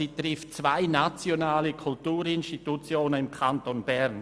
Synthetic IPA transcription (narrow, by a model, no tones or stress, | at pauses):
iːtʁɪftt͡sv̥aɪnat͡sjonaːləkʰʊltuːɾɪnʃtitut͡sjoːnənɪmkʰantonbɛʁn